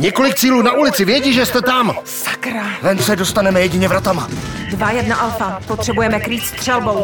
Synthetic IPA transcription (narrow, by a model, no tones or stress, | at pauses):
ɲɛko̞lɪk̚t͡siːluːnaʔulɪt͡sɪvjɛɟiʒɛst̪ɛt̪amsakɾavɛnsɛdo̞st̪anɛmɛjɛɟɪɲɛvɾat̪ama | dvajɛdnaʔalfapot̪r̥ɛbujɛmɛkɾiːt̪st̪r̥ɛlbo̞w